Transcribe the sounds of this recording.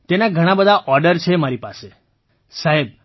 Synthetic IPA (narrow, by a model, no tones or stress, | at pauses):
t̪enaɡʱəɽ̃abəd̪ʱaʔɔɾɖəɾt͡ʃʰemaɾipase | saɦeb̚